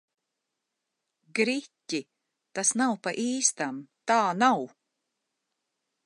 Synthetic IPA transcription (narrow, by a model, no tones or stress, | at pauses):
ɡɾitʲi | t̪asnawpaʔiːst̪amt̪aːnaw